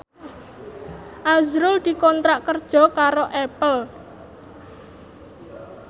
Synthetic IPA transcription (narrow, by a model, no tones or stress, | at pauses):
ʔazɾʊld̪̥i̤kɔnt̪ɾaʔkərd̥ʒ̥ɔ̤kaɾoʔɛpəl